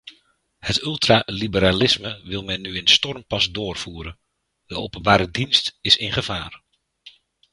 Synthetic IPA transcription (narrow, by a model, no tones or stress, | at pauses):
hətʏlˠtralibəɾalɪsməʋɪlˠmɛnːyɪnstɔrmpɑsdʊːrv̥uːɾən | d̥əowpənbaːɾədinstɪsɪnχəv̥aːr